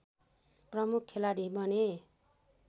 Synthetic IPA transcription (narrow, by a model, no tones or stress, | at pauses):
prʌmukʰːelaɽibʱʌne